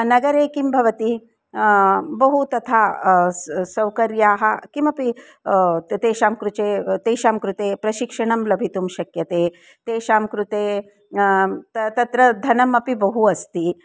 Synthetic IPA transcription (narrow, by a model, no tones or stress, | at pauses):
nɐɡɐɾeːkimbʱɐʋɐt̪i | bɐɦut̪ɐt̪ʰaː | sɐwkɐɾjaːɦɐ̆kimɐpi | t̪eːʃaːmkɾut͡ʃeːt̪eːʃaːmkɾut̪eːpɾɐʃikʂɐɳɐmlɐbʱit̪umʃɐkjɐt̪eː | t̪eːʃaːmkɾut̪eː | t̪t̪ɐt̪ɾɐd̪ʱɐnɐmɐpibɐɦuɐst̪i